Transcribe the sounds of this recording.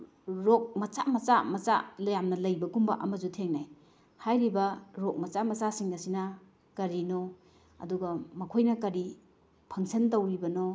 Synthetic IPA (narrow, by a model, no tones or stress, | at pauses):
ɾok̚mɐt͡ʃamɐt͡ʃamɐt͡ʃa̰lɐjamnɐlɐjbɐɡumbɐ̰ʔɐmɐzutʰeŋnaj | hajɾibɐɾok̚mɐt͡ʃamɐt͡ʃasiŋɡɐsinɐ | kɐɾino | ɐ̰duɡɐmɐkʰojnɐkɐɾi | pʰɐŋsʰɐntɐwɾibɐno